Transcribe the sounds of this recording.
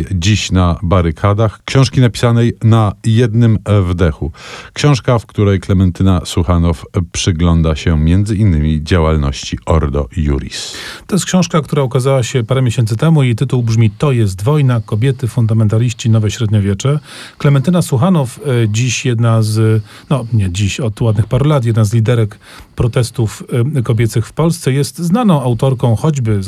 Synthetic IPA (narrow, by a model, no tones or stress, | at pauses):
d͡ʑiɕnabaɾɘkʰad̪axkɕɔ̃ʂkʲinapʲi̥sanɛjnajɛd̪nɘmvd̪ɛxukɕɔ̃w̃ʂkafkt̪uɾɛjklɛmɛnt̪ɘnasuxanɔfpʂɘɡlɔnd̪aɕɛmʲjɛnd̪zɘinːɘmʲid͡ʑawalnɔ̰ɕt͡ɕiɔɾd̪ɔ̰jṵɾʲḭst̪ɔjɛst̪kɕɔ̃w̃ʂkak̚t̪uɾaukazawaɕɛpaɾɛmʲjeɕɛnt̪sɘt̪ɛmuit̪ɘt̪uwbʐmʲit̪ɔjɛst̪vɔjnakɔbʲjɛt̪ɘfund̪amɛnt̪alʲiɕt͡ɕinɔvɛɕɾɛd̪ɲɔvʲjɛt͡ʂɛ | klɛmɛnt̪ɘnasuxanɔfd͡ʑiɕjɛd̪naz | nɔɲɛd͡ʑiɕɔt̪wad̪̚nɘxpaɾulat̪jɛd̪nazlʲid̪ɛɾɛk | pɾɔt̪ɛst̪ufkɔbʲɛt̪sɘxfpɔlst̪sɛjɛst̪znanɔ̃w̃awt̪ɔɾkɔ̃w̃xɔd͡ʑbɘ